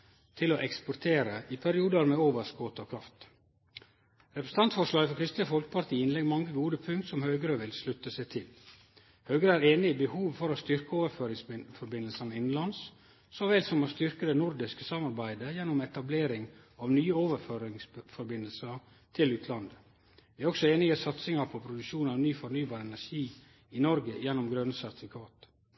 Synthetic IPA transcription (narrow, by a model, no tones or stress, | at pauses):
t̪ʰɪloʔɛkspɔɾt̪ʰeːɾəʔɪpʰæɾɪuːd̪əɾmeːoːʋəʂɡoːt̪əɔkʰɾɑft̪ | ɾɛpɾəs̩t̪ɑnt̪fɔʂɭɑːɡəfɔɾkʰɾɪst̪ləfɔlkə̥pʰɑɾt̪ʰiːəɪnlɛɡːmɑŋːəɡuːd̪əpʰʉŋkt̪sɔmhœɡɾəʋɪlslʉt̪ːəsæɪt̪ʰɪl | hœʉɡɾəæːɾeːnɪbəhuːʋfɔɾost̪ʏɾkəoːʋəɾføːɾɪŋsfɔɾbɪnəlsənəɪnn̩lɑns | sɔʋɛlt̪sɔmost̪ʏɾkəd̪ɛnʊɾd̪ɪskəsɑmːɑɾbæɪd̪əjɛnːʊmɛt̪ɑbleːɾɪŋ | ɑʋnyːəoːʋəɾføːɾɪŋsfɔɾbɪnːəlsə | t̪ʰɪlʉːt̪ʰlɑnd̪ə | ʋɪæɾɔksɔeːnɪəsɑt̪sɪŋɑpʰɔpʰɾʊd̪ʉkʃuːnɑʋnyːfɔɾnyːbɑːɾəɛnæʂiː | ɪnɔɾɡəjɛnːʊmɡɾœnəsæɾt̪ɪ̥fɪkʰɑːt̪